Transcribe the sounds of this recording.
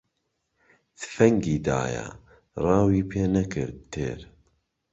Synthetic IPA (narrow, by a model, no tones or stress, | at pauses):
d̪̥fɛŋɡiːd̪a̰ːjɛ̰ | rɑːwiːpʰeːnɐkɨɾd̪̚t̪ʰḛːɾ